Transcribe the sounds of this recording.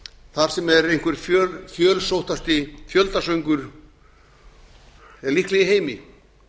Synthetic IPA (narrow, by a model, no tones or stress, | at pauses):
θaɾ̥sɛmɛɾejn̥kvʏɾ̥ffjœːlsowht̪ast̪ɪfjœlt̪asœɥŋkʏɾ̥ | ɛɾlihklɛɣɪɦeːjmɪ